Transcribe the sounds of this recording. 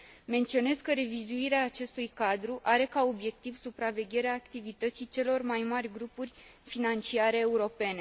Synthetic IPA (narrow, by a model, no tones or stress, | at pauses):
me̞nt̪sio̞ne̞zkəɾe̞vizuiɾeaːt͡ʃe̞st̪ujkad̪ɾuʔaɾe̞kao̞bje̞k̚t̪ivsupɾave̞ɡʲe̞ɾeaːkt̪ivit̪ət̪sit͡ʃe̞lo̞rmajmarʲɡɾupurʲfinant͡ʃiaɾe̞ːuɾo̞pe̞ne̞